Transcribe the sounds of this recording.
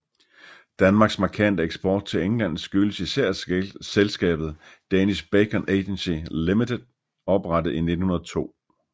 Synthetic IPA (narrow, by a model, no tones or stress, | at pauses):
d̥ænmɑ̈ːɡ̥smɑ̈kʰæn̰d̥əeɡ̥sb̥ɒ̰ːd̥̚t͡sʰe̝leŋlæn̰sɡ̥yləsisæɐ̰selsɡ̥ɛ̰ːb̥ð̞̩ˠd̥ænisb̥ekʰənʔeɪd̥ensilimid̥ed̥ | ɒ̽b̥ʁɑ̈d̥əð̩ˠine̝d̥n̩hunɐðˠt͡sʰo̝̰ː